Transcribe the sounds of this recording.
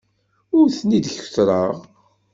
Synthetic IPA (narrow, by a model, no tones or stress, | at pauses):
ʊɾθnid̪çθɾˤəʁ